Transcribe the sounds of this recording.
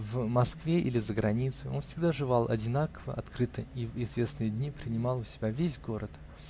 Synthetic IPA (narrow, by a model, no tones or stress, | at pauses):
vmɐskvʲe̞ʔilʲɪzəɡɾʔɐnʲit̪sɨo̞̰nfsʲɪɡd̪aʐɨvalˠʔɐ̰dʲɪnakəvə̰ʔɐ̰t̪kɾɨt̪əivɪzvʲe̞snɨjəd̪ʲnʲipɾʲɪnʲɪmɑlˠʊsʲɪbʲavʲesʲɡo̞ɾət̪